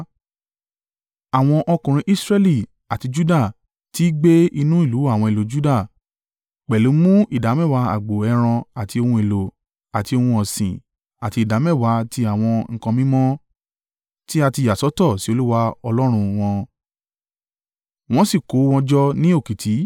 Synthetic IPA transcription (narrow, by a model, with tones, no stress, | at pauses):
a˨w̃ɔ̃˧ʔɔ˧kũ˨ɾ̃ĩ˧ʔi˦sɾɛ˦li˦˨ | a˨ti˧d͡ʒu˦da˦˨ | ti˦ɡ͡be˦i˧nũ˦i˦˨lu˨˦a˦˨w̃ɔ̃˧i˨lo˨˦d͡ʒu˦da˦˨ | k͡pɛ˨lu˨˦mũ˦i˦˨da˨˦mɛ˦˨wa˧˦a̰˨ɡ͡bo˨ɛ˧ɾ̃ɔ̃˧a˨ti˧o˧hũ˧e˨lo˨ | a˨ti˧o˧hũ˧ɔ˨sḭ̃˨ | a˨ti˧i˨da˨˦mɛ˦˨wa˨˧˦ti˧a˨w̃ɔ̃˧ŋ̩˧kã˧mĩ˦mɔ̃˦ | ti˦a˧ti˧˨a˨sɔ˨˦tɔ˦˨si˨˦o˧lu˦wa˧ɔ˧lɔ˦ɾ̃ũ˧w̃ɔ̃˧ | w̃ɔ̃˦si˦˨ko˨˦w̃ɔ̃˧d͡ʒɔ˦nĩ˦o˦˨ki˨tʰi˨˦